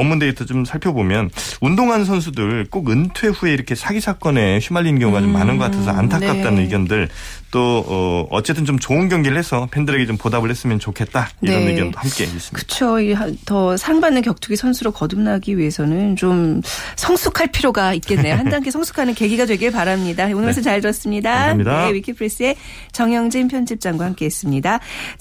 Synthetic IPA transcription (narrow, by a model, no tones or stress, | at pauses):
ʌmːunde̞itʰʌt͡ɕomsʰaɭpʰjʌbomjʌnundoŋɦansʰʌnsʰudɯɭk͈oɡɯntʰwe̞ɸueiɾʌkʰe̞sʰaɡisʰak͈ʌne̞ɕʰimaʎːinɡjʌŋuɡat͡ɕomːanɯnɡʌk͈atʰesʰʌ̰a̰ntʰaknk͈at͈anɯnɯɡjʌndɯɭ | t͈oʌʌ̰t͡ɕ͈e̞t͈ʰɯnt͡ɕomt͡ɕoɯnɡjʌŋɡiɾɯɭhe̞sʰʌpʰe̞ndɯɾe̞ɡet͡ɕompodabɯɭhes͈ɯmjʌnt͡ɕokʰe̞t̚t͈aiɾʌnɯiɡjʌndohamkk͈e̞̰is͈ɯmikɯ̥t͡ɕʰoiɦtʌsʰaɾaŋbanːɯnkjʌk̚t͡ɕ͈ʰuɡisʰʌnsʰuɾokʌdumnaɡiɥie̞sʰʌnɯnt͡ɕomsʰʌŋsʰukʰaɭpʰiɾjoɡait̚k͈e̞nːe̞johandaŋkʰesʰʌŋsʰu̥kʰanɯnke̞ɡiɡadwe̞ɡiɭpaɾamɲidaonɯɾʌs̬ʰɯnt͡ɕaɭɯɾʌs͈ɯmɲidadewikʰipʰɯɾes͈ɯe̞ | t͡ɕʌŋjʌŋd͡ʑempʰjʌnd͡ʑip̚t͡ɕ͈aŋɡwahamk͈e̞ɦes͈ɯmɲida